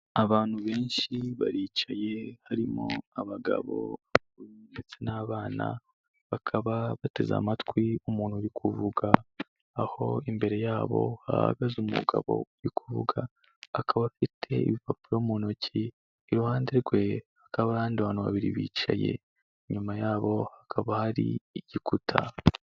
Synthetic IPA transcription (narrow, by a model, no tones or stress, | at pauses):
aβaːn̥huβe̞ːnʃiβa̰ɾiːt͡ʃaje̞haɾimo̞̰aβaɡa̰βo̞̰a | uindet͡se̞naːβaːna̰ | βakʰaβaβate̞̰za̰matwiumuːn̥huɾikʰuvuɡaː | ho̞imbe̞ɾe̞jaːβo̞̰ha̰ha̰ɡazumṵɡa̰βo̞̰uɾikʰuvṵɡaː | kʰaβafitʰe̞ḭβipapiɾomuːnociː | ɾuhaːnde̞ɾɡwe̞ | akaβahaːndewaːnuwa̰βiɾiβḭːt͡ʃa̰je̞̰ | ɲumajaːβo̞hakʰaβahaɾḭːɟ̥ikutʰa